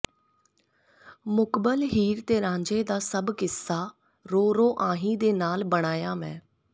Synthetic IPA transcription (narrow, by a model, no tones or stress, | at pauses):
mʊkbəlɦiːɾt̪eːɾãːɲd͡ʒeːd̪aːsəbkɪsːaː | ɾoːɾoːʔãːɦĩːd̪eːnaːlbəɽ̃aːjaːmɛ̃ː